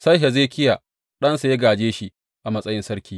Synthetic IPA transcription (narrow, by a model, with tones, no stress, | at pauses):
sɐ˦jɦe˨zeː˦˨kʲɪ˦ja˨ | ɗɐ˦nsa˨je˦ɡaː˨d͡ʒeː˦ʃi˦ | ʔa˨mɐ˦sʼɐ˦jɪ˦nsɐ˦ɾkʲiː˦